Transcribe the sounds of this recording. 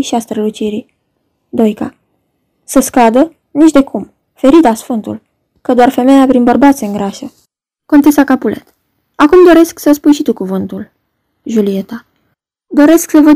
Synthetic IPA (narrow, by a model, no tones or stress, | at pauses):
ʃiast̪ɾəlut͡ʃiɾi | d̪o̞jka̰ | səskad̪ə | nit͡ʃd̪e̞kʰum | fe̞ɾit̪asfɨnt̪ṵl | kəd̪oarfe̞me̞japɾinbərbat̪sʲeɨŋɡɾaʃə | ko̞nt̪e̞sakapulʔe̞̰t̪ | akumd̪o̞ɾe̞sksəspujʃit̪ukuvɨnt̪ul | ʒulie̞t̪a | d̪o̞ɾe̞sksəvə